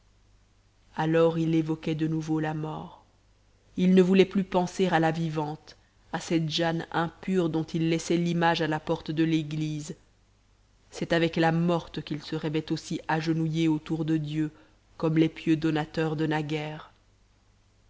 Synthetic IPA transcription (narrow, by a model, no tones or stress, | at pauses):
alɔʁilevɔkɛd̪ənuvolamɔːʁ | ilnəvulɛplypɑ̃seʁalavivɑ̃t̪ | asɛt̪ʒanɛ̃pyʁd̪ɔ̃t̪ʰilːɛsɛlimaʒalapɔʁt̪d̪əleɡliz | sɛt̪avɛklamɔʁt̪əkʲilsəʁɛvɛt̪osiʔaʒənujeot̪uʁd̪əd̪jø | kɔmlɛpjød̪ɔnat̪œʁd̪ənaɡɛːʁ